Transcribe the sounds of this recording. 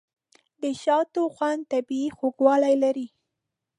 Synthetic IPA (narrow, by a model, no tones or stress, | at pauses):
d̪əʃɑt̪oxwand̪t̪abiixoɡwɑlajlaɾi